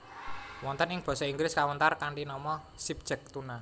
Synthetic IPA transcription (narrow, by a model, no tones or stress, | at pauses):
wɔnt̪ənɪŋb̥ɔ̤sɔiŋɡɾɪskawənt̪arkaɳʈinɔmɔ | sip̚d̥ʒ̥ə̤k̚t̪una